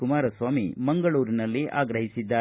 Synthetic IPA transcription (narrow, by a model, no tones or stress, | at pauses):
kumaːɾɐsʋaːmimɐŋɡɐɭuːɾinɐlːiʔaːɡɾɐɦisid̪ːaː